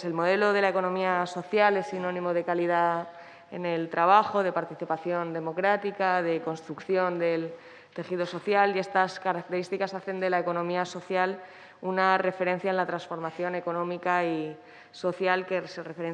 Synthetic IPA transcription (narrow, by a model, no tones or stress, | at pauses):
se̞lmo̞ðe̞lo̞ðe̞laeko̞nõmiaso̞θjale̞sinõ̞nĩmo̞ð̞e̞kalið̞a | e̞̰ne̞lt̪ɾaβ̞axo̞ðe̞paɾt̪iθipaθjo̞nd̪e̞mo̞kɾat̪ikaðe̞ko̞nst̪ɾukθjo̞nd̪e̞l | t̪e̞xiðo̞so̞θjalie̞st̪askaɾak̚t̪eɾist̪ikasaθe̞nd̪e̞laeko̞nõ̞miaso̞θjal | unare̞fe̞ɾẽ̞n̟θjaenlat̪ɾansfo̞ɾmaθjo̞ne̞ko̞nõ̞mikai | so̞θjalke̞serefeɾe